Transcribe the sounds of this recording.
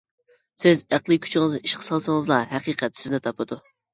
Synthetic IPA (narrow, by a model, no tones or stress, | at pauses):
sɪzæqlˠɨkʲʰy̥t͡ʃʰɪŋɨziʃqʰə̥sɑlˠsəŋəzlˠɑɦɛqiːqʰɛt̪sɪzd̪ɛt̪ʰɑpɨd̪u